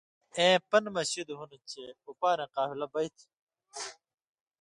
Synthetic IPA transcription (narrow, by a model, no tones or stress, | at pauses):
ẽːpɐnmɐɕid̪ɦunut͡ɕeupaːnẽqaːfilɐbɐjt̪ʰ